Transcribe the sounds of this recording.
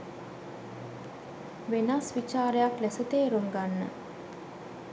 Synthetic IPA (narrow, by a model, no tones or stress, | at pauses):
ʋenasʋit͡ʃaːɾəjaklesət̪eːɾuŋɡanːə̰